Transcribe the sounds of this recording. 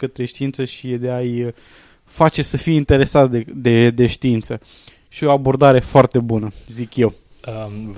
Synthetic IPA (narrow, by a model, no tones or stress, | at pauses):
kət̪ɾe̞ʃt̪iint̪səʃied̪eaj | fat͡ʃe̞səfijint̪e̞ɾe̞sat̪d̪ed̪e̞d̪e̞ʃt̪iint̪sə | ʃio̞abo̞rd̪aɾefoart̪e̞bunəzikje̞w